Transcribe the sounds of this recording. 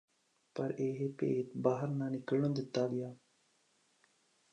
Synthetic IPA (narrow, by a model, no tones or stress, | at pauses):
pəɾeːɦepḛːt̪baːɦəɾnãːnɪkəlnõːd̪ɪt̪ːaːɡɪjaː